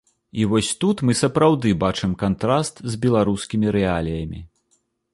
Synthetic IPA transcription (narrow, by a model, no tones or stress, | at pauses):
ivɔsʲt̪ut̪mɨsɐpɾawd̪ɨbat͡ʂɨmkant̪ɾast̪zʲbʲɛlˠaɾuskʲimʲiɾɛalʲijɐmʲḭ